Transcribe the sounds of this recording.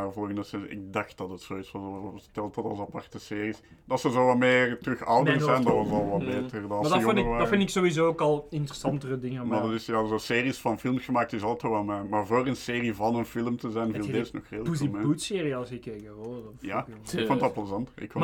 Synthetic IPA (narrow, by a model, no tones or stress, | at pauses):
vɔlˠɣəndəsɪiʔɪ̰k̚dɑxt̚dɑtətsoːitsʋɑotɛlˠtɑtɑ̰lˠsɑpɑrtəseːris | dɑtsəzoːʋɑlmeːrtrʏxɔwdərzɛjndɑʋɑsɑlˠʋɑlbeːtərdɑnɑlsəjnəʋaːfɪndɪksoizoːokɑlˠɪntəɾəsɑntərədɪŋəmadɑtɪsjazoːseːrisfɑnfɪlˠmɣ̥əmaːk̚tɪsɑlˠtoʋalmeːmarvoːrənseːrivɑnənfɪlˠmtəzɛjnvilˠdesnɔxreːləimeutseːɾiɑlˠsəkekəojaːɪkfonətlˠpləzɑntəɪ̰kfom